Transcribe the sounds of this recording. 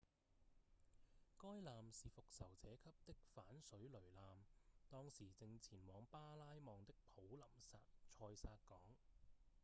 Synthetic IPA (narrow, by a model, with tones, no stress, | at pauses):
kɔː˥jlaː˨msiː˨fʊ˨k̚sɐ˨˩wt͡sʰɛː˨˥kʰɐ˥p̚t̪ɪ˥k̚faː˨˥nsɵ˨˥ɥlɵ˨˩ɥlaː˨mt̪ɔː˥ŋsiː˨˩t͡sɪ˧ŋt͡sʰiː˨˩nwɔː˨˧ŋpaː˥laː˥jmɔː˨˧ŋt̪ɪ˥k̚pʰo˨˥wlɐ˨˩msaː˧t͡ʃʰɔː˧jsaː˧t̚kɔː˨˥ŋ